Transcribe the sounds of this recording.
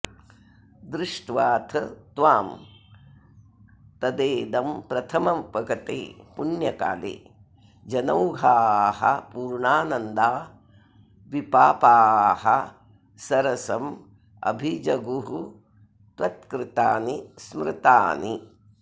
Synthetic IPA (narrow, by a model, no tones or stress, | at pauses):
d̪ɾɪʂʈʋaːt̪ʰɐt̪ʋaːm | t̪ɐd̪eːd̪ɐmpɾɐt̪ʰɐmɐmpɐɡɐt̪ḛːpunjɐka̰ːlḛː | d͡ʒɐnɐwɡʱaːhɐ̰puːɾɳaːnɐnd̪aː | ʋipaːpaːhɐ̰ | sɐɾɐsɐm | ɐ̰bʱid͡ʒɐɡuɦu | t̪ɐt̪kɾɪt̪aːnismɾɪt̪aːni